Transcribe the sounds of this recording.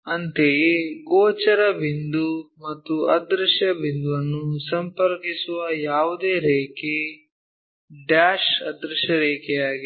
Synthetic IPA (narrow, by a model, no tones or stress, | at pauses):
ɐnt̪eɡoːt͡ʃɐɾɐbind̪umɐt̪ːuɐd̪ɾɐʃjɐbind̪uʋɐnːusɐmpɐɾkisuʋɐjaːʋud̪eːɾeːke | ɖaːʃɐd̪ɾuʃjɐɾeːkɛjaːɡi